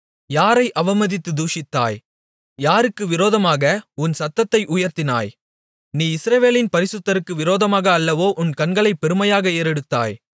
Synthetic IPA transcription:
jaːɾɐɪʔɐʋɐmɐðɪt̪ːɯd̪uːʂɪt̪ːa̰ːj | jaːɾɯkːɯʋɪɾoːðɐmaːɣɐʊnsɐt̪ːɐt̪ːɐɪʔʊjɐɾt̪ɪna̰ːj | niːɪsɾɐʋeːlɪnpɐɾɪsɯt̪ːɐɾɯkːɯʋɪɾoːðɐmaːɣɐːlːɐʋoːʔʊnkɐnɡɐɭɐɪpːɛɾɯmɐjaːɣɐeːɾɛɽɯt̪ːa̰ːj

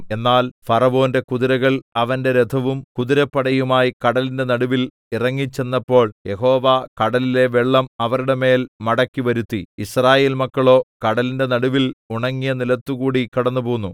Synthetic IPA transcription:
e̞nːaːlfɐrɐʋo̞ːnde̞kuðiɾɐɣɐɭɐʋɐnde̞ɾed̪ʰʱɐʋumkuðiɾɐpːɐɽɐjumaːjikɐɽɐlinde̞nɐɽuʋil | irɐŋːit͡ɕːe̞nːɐpːo̞ːɭje̞ɦo̞ːʋakɐɽɐlile̞ʋeɭːɐmɐʋɐɾuɽe̞me̞ːlmɐɽɐkːiʋɐɾut̪ːiisraːje̞ːlmɐkːɐɭo̞ːkɐɽɐlinde̞nɐɽuʋiluɳɐŋːijɐnilɐt̪ːukuːɽikɐɽɐnːupoːunːu

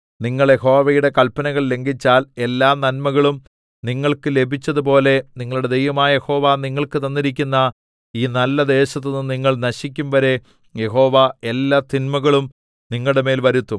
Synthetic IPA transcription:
niŋːɐɭje̞ho̞ːʋɐjuɽe̞kɐlpɐnɐɣɐɭle̞ŋɡit͡ɕːaːle̞lːaːnɐnmɐɣɐɭum | niŋːɐɭkɨle̞bʱit͡ɕːɐðup̬o̞ːle̞niŋːɐɭuɽe̞d̪e̞jʋɐmaːje̞ho̞ːʋaːniŋːɐɭkɨt̪ɐnːiɾik̬ʲːunːɐ | iːnɐlːɐd̪e̞ːɕɐt̪̬ːɨnuniŋːɐɭnɐɕikʲːumʋɐɾe̞ | je̞ho̞ːʋae̞lːaːt̪inmɐɣɐɭum | niŋːɐɭɽeme̞ːlʋɐɾut̪ːum

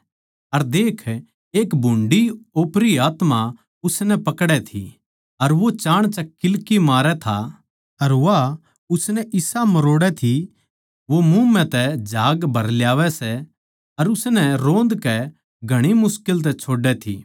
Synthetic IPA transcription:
ɐɾd̪eːkʰ | eːkbʱʊ̃ɳɖioːpɾiaːt̪ma | ʊsnɛpɐkɽɛt̪ʰḭ | ɐɾʋot͡ʃaːɽ̃t͡ʃɐkːɪlkimaːɾɛt̪ʰa | ɐɾʋa | ʊsnɛʔɪsamɐɾoːɽɛt̪ʰi | ʋomumɛ̃t̪ɛd͡ʒʱaːɡbʱɐɾljaːʋɛsɛ | ɐɾʊsnɛɾõːnd̪kɛ | ɡʱɐɽ̃imʊskɪlt̪̬ɛt͡ʃʰoːɖːɛt̪ʰḭː

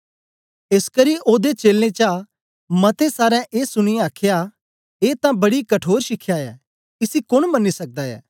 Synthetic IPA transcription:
eskəɾiʔoːd̪et͡ʃeːlːẽt͡ʃa | mɐt̪esaːɾɛ̃ʔeːsʊɽ̃ijaːkʰja | eːt̪ãbɐɽikɐʈʰoːɾʃɪkʰjaːɛː | ɪsikʊɽ̃mɐnːisɐk̚d̪aɛ̰ː

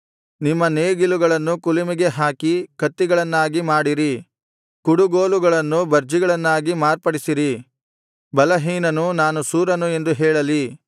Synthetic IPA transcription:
nimːɐneːɡiluɡɐɭɐnːukulimiɡe̞ɦaːkikɐt̪ːiɡɐɭɐnːaːɡimaːɽiɾi | kuɽuɡoːluɡɐɭɐnːubɐɾd͡ʒiɡɐɭɐnːaːɡimaːɾpɐɽisiɾi | bɐlɐɦiːnɐnunaːnusuːɾɐnue̞nd̪uɦɛːɭɐli

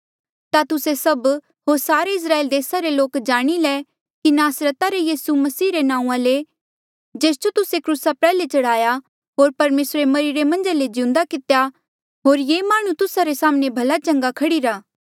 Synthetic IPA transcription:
t̪at̪ʊsesɐb | ɦoːɾsaːɾeɪs̬ɾaːeːld̪eːsaɾeloːkd͡ʒaːɽ̃ilɛ | kinaːsɾət̪aɾejiːsumɐsiːɾenãːũãle | d͡ʒeːsd͡ʒot̪ʊsekɾuːsapɛːlet͡ʃɐɽ̤aːja | ɦoːɾpɐɾmeːsɾemɐɾiɾemɐ̃nd͡ʒaled͡ʒɪ̃ʊ̃nd̪akɪt̪ja | ɦoːɾjemaːɽ̃ũt̪ʊsaɾesaːmnẽbʱɐlat͡ʃɐ̃ŋɡakʰɐɽiɾaː

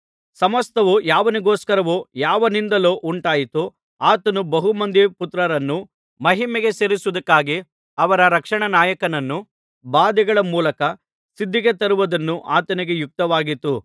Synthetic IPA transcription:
sɐmɐst̪ɐʋujaːʋɐniɡoːskɐɾɐʋujaːʋɐnind̪ɐloːʔuɳʈaːjit̪u | aːt̪ɐnubɐɦumɐnd̪iput̪ɾɐɾɐnːu | mɐɦimɛɡe̞seɾisuud̪ɐkːaːɡi | ɐʋɐɾɐɾɐkʂɐɳɐnaːjɐkɐnɐnːu | baːd̪ɛɡɐɭɐmuːlɐkɐ | sid̪ʱːiɡet̪ɐɾuʋɐd̪ɐnːuʔaːt̪ɐniɡe̞juk̚t̪ɐʋaːɡit̪u

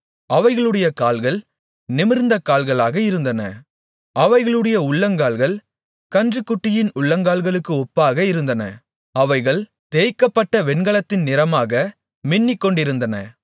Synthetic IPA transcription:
ɐʋɐɪɣɐɭɯɽɐjɐkaːlɣɐɭ | nɪmɪɾnd̪ɐkaːlɣɐɭaːɣɐɪɾɯnd̪ɐnɐ̰ | ɐʋɐɪɣɐɭɯɽɐjɐʊɭːɐŋɡaːlɣɐɭ | kɐndrɯkːʊʈːɪjɪnʊɭːɐŋɡaːlɣɐɭɯkːɯɔpːaːɣɐɪɾɯnd̪ɐnɐ̰ | ɐʋɐɪɣɐɭ | t̪eːjkːɐpːɐʈːɐʋɛɳɡɐɭɐt̪ːɪnnɪɾɐmaːɣɐ | mɪnːɪkːɔɳɖɪɾɯnd̪ɐnɐ

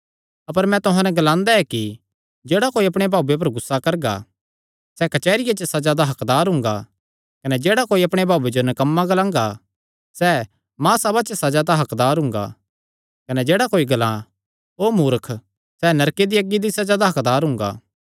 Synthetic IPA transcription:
ɐpəɾmɛ̃t̪ʊɦãnɛ̃ɡɐlãːnd̪aɛki | d͡ʒeːɽakoːiɐpɽ̃ebʱaːbep̬ɐɾɡʊsːakɐɾɡa̰ | sɛkɐt͡ʃɛːɾɪjat͡ʃəsɐd͡ʒad̪aɦɐkd̪aːɾɦʊ̃ŋɡa̰ | kɐnɛd͡ʒeːɽakoːiɐpɽ̃ebʱaːed͡ʒonɐkɐmːaɡɐlãːŋ̆ɡa | sɛ | mãːsɐbat͡ʃəsɐd͡ʒad̪aɦɐkd̪aːɾɦʊ̃ŋɡa̰ | kɐnɛd͡ʒeːɽakoːiɡɐlã | oːmuːɾəkʰ | sɛnɐɾked̪iɐɡːid̪isɐd͡ʒaːd̪aɦɐkd̪aːɾɦʊ̃ŋɡa̰ː

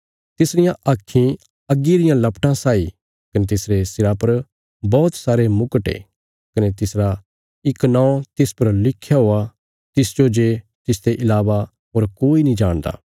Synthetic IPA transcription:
t̪ɪsɾɪjãʔɐkʰːĩ | ɐɡːiɾɪjãlɐpʈãsaːḭ | kɐnet̪ɪsɾesɪɾapɐɾ | bɔːt̪saːɾemʊkəʈḛː | kɐnet̪ɪsɾa | ɪknãːõt̪ɪspɐɾlɪkʰːjaɦoa | t̪ɪsd͡ʒod͡ʒet̪ɪsd̪eʔɪlaːʋa | ɦoːɾkoːinĩd͡ʒaːɽ̃d̪a̰ː

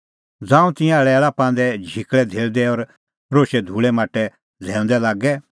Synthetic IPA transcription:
d͡zãːũt̪ɪ̃jãɭɛlapãːnd̪ɛd͡ʒʱikɭɛd̪ʱeːld̪ɛɔɾ | ɾoːʃɛd̪ʱuːɭɛmaːʈːɛ | d͡zʱɛ̃ːnd̪ɛlaːɡɛ

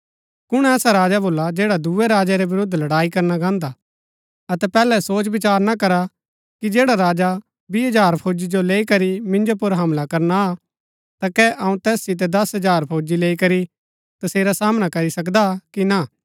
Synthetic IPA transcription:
kʊɽ̃ɛːsaɾaːd͡ʒaboːlːad͡ʒeːɽad̪uɛɾaːd͡ʒaɾeʋɪɾʊd̪ʱlɐɽaːikɐɾnaɡãːnd̪a | ɐt̪ɛpɛːlɛsoːt͡ʃbɪt͡ʃaːɾnakɐɾa | kid͡ʒeːɽaɾaːd͡ʒa | biɦɐd͡ʒaːɾpʰoːd͡ʒid͡ʒoleːikɐɾimɪ̃nd͡ʒopʊɾɦɐmlakɐɾna | t̪akɛʔɐũt̪ɛːssɪt̪̬ɛd̪ɐsɦɐd͡ʒaːɾpʰoːd͡ʒileːikɐɾi | t̪ɐseːɾasaːmnakɐɾisɐk̬d̪akina

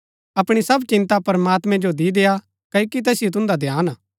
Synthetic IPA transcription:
ɐpɽ̃isɐbt͡ʃɪ̃nt̪apɐɾəmaːt̪mɛ̃d͡ʒod̪id̪eːa | kɐokit̪ɛːsɪjot̪ʊ̃nd̪ad̪ʱjaːnaː

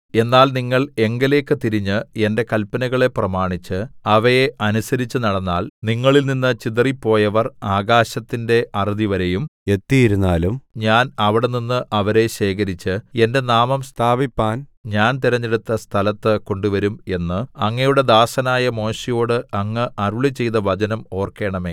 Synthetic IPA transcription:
e̞nːaːlniŋːɐɭe̞ŋɡɐle̞ːkːɨt̪iɾiɲːɨe̞nde̞kɐlpːɐnɐɣɐɭe̞prɐmaːɳit͡ɕːɨɐʋɐje̞ʔɐnusɐɾit͡ɕːɨnɐɽɐnːaːlniŋːɐɭilninːɨt͡ɕiðripːo̞ːjɐʋɐraːɡaːɕɐt̪ːinde̞ʔɐriðiʋɐɾe̞jume̞t̪ːijiɾunːaːlumɲaːnɐʋiɽe̞ninːɨʔɐʋɐɾe̞ɕe̞ːkɐɾit͡ɕːɨe̞nde̞naːmɐmst̪ʰaːbipːaːnɲaːnt̪iɾɐɲːe̞ɽut̪ːɐst̪ʰɐlɐt̪ːɨko̞ɳɖuʋɐɾume̞nːɨɐŋːɐjuɽe̞d̪aːsɐnaːjɐmo̞ːɕijo̞ːɽɨɐŋːɨʔɐruɭit͡ɕe̞jt̪ɐʋɐd͡ʑɐnɐmo̞ːrke̞ːɳɐme̞ː

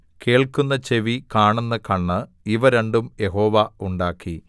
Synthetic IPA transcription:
ke̞ːɭkunːɐt͡ɕe̞ʋikaːɳunːɐkɐɳːɨ | iʋɐɾeɳɖumje̞ɦo̞ːʋɐuɳɖaːkːi

